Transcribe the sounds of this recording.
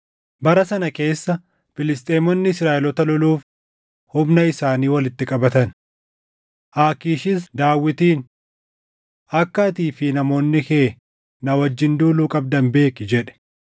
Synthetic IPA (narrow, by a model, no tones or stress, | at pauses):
bɐɾɐsɐnɐke̞ːsːɐ | fɪlɪst̪ʼeːmɔnːɪsɾaːʔɛlɔt̪ɐlɔluːf | hʊbnɐɪsaːniːwɐlɪt̪ːɪkʼɐbɐt̪ɐn | ʔaːkiːʃɪsd̪aːwːɪt̪iːn | ɐkːɐːt̪iːfɪnɐmo̞ːnːɪkeː | nɐwɐd͡ʒːɪnd̪uːluːkʼɐb̚d̪ɐmbe̞ːkɪd͡ʒɛᶑɛ̥